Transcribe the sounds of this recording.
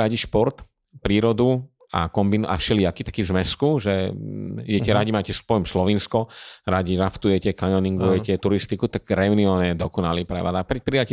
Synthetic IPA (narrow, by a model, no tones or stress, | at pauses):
ɾaɟiʃpɔɾt̪ | pɾiːɾɔd̪u | a̰kɔmbinuʔa̰fʃɛlɪakit̪ḁkiːzmɛskuʒɛ | ijɛcɛɾaɟimaːcɛspɔjmslɔʋinskɔɾaɟiɾaft̪ujɛcɛkaɲɔniŋɡujɛcɛt̪uɾist̪ikut̪aɡɾɛuniɔːɲɛd̪ɔkɔnaliːpɾɛ̰ʋad̪apɾɛpɾijacɛ